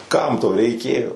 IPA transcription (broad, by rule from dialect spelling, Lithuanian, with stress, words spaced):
ˈkɐm toː rʲɛɪˈkʲeːjoː